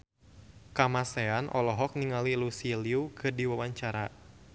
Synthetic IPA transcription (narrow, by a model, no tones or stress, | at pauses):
kamasɛanʔɔlɔɦɔk̚niŋalilusiliukɨdiwawaɲt͡ʃaɾa